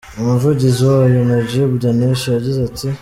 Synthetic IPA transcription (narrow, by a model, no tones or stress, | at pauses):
omuvuɟiziwajonaɟieβudaneʃijaɟizati